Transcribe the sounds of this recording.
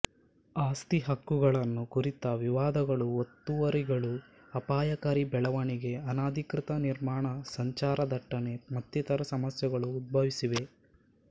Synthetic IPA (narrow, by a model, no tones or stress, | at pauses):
aːst̪iɦɐkːuɡɐɭɐnːukuɾit̪ɐʋiʋaːd̪ɐɡɐɭuot̪ːuʋɐɾiɡɐɭu | ɐpaːjɐkaːɾibɛɭɐʋɐɳiɡe̞ɐnaːd̪ʱikɾit̪ɐniɾmaːɳɐsɐɲt͡ʃaːɾɐd̪ɐʈːɐne̞mɐt̪ːit̪ɐɾɐsɐmɐsjɐɡɐɭuːd̪̚bʱɐʋisiʋe̞